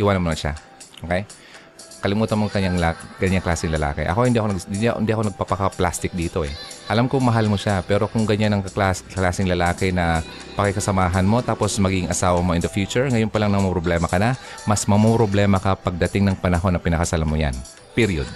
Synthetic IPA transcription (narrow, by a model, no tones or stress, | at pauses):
ʔɪwanɐnmonɐʃa̰ | ʔokɛj | kɐlɪmuːt̪ɐnmoŋkɐɲːaŋlaɡɐɲːaŋklaːsɪŋlɐla̰ːkɛ̰ʔɐ̰ko̞hɪnd̪iɐkoɐɡɪnɪnd̪iʔɐko̞nɐɡ̚papɐkɐplast̪ɪk̚d̪iːt̪o̞ɛ | ʔɐlamkʊŋmɐɦalmoʃapɛːɾo̞kʊŋɡɐɲanɐŋɐklaːsklaːsɪŋlɐlaːkɪnɐ | pɐkɛkɐsɐmaːɦɐnmo̞t̪aːpo̞smɐɡiɡɪŋʔɐsaːwɐmoʔɪnd̪ɐfjuːt͡ʃʊɹŋɐjonpɐlaŋnɐmopɾoblɛːmɐkɐnɐ | mɐsmɐmopɾoblɛːmɐkɐpɐɡ̚d̪ɐt̪ɪŋnɐŋpɐnɐɦo̞nɐpɪnɐkɐsalamoja̰n | piɾijod̪̚